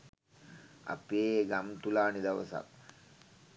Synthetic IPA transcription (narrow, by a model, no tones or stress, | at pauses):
a̰peːɡamt̪ulaːnid̪ɐʋə̰sa̰t̪̚